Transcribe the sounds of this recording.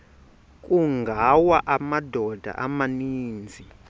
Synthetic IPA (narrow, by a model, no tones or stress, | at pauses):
kʼuŋɡʱawaʔamadʱɔd̥ʱa̰ʔamaniːnd͡zʱi